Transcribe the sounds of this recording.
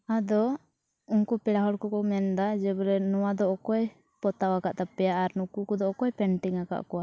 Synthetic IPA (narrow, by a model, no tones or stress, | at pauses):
ad̪ɔ | unkupɛɽaɦɔɽkɔkɔmɛnd̪ad͡ʒɛblɛnɔwad̪ɔɔkɔj | pɔt̪awakaʔt̪apɛjaʔːɾnukukɔd̪ɔɔkɔjpɛɳʈiŋaka̰ʔkɔwa